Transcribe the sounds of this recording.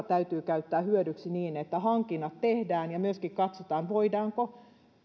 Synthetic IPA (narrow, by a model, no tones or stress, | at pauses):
t̪æyt̪yːkæyt̪ːæːhyødyksiniːnet̪ːæhɑŋkinːɑt̪t̪ehdæːnjɑmyøskikkɑt̪sot̪ɑːnʋoidɑːŋko